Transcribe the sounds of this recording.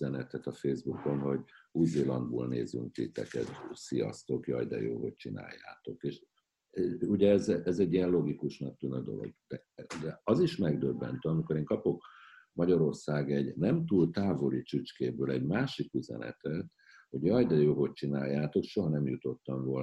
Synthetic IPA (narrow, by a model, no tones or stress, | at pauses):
ɛnɛt̪ɛt̪ɒfeːzbuko̞nɦo̞ɟuzeːlɒnd̪bo̰ːlneːzy̰ŋkt̪it̪ɛ̰kɛ̰t̪sijɒ̰st̪o̞kjɒ̰jd̪ɛ̰jo̰ːɦo̞c̚t͡ʃina̰ːjːa̰ːt̪o̞keːʃ | uɟɛɛzɛɛzɛɟːijɛnloɡikuʃnɒk̚t̪ynød̪o̞̰lo̰ɡ̚d̪̥ɛ | d̪ɛɒziʃmɛɡd̪øbːɛ̰nt̪øɒmikoɾeːŋkɒpo̞k | mɒɟɒɾo̞rsaːɡɛɟnɛmt̪uːlt̪aːvo̞lit͡ʃut͡ʃkeːbøːlɛɟmaːʃikyzɛ̰nɛ̰t̪ɛt̪ | ho̞ɟjɒjd̪ɛjoːɦo̞c̚t͡ʃinaːjːaːt̪o̞kʃo̞ɦɒnɛmjut̪o̞t̪ːɒɱvoln